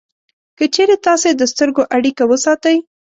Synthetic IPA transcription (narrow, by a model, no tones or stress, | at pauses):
kət͡ʃeɾet̪ɑsed̪əst̪əɾɡoʔaɽikawəsɑt̪əj